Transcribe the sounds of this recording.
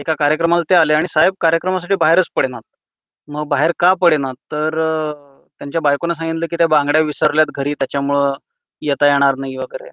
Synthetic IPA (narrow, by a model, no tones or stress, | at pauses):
ekakaɾjəkɾəmalat̪ealeaɽ̃isaɦeb̚kaɾjəkɾəmas̬aʈiːbaɦeɾət͡spəɽenat̪̚ | məɡbaɦeɾkapəɽenat̪ːəɾ | t̪jaɲt͡ɕjabajkonas̬ãŋɡinləːk̬iːt̪jabãŋɡɽjaʋisəɾljat̪̚ɡʱəɾiːt̪jat͡ɕjamuɭə | jet̪ajeɽ̃aɾnaɦiʋəɡəɾḛ